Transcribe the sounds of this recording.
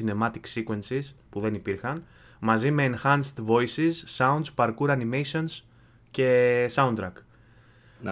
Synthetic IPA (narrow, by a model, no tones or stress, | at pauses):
ine̞mɐt̪iksikue̞nsispuðe̞nipiɾxɐn | mɐzime̞ːnxɐnst̪vo̞isisːɐund̪spɐɾkuɾɐnimejsio̞ns | ce̞sɐunt̪ɾɐk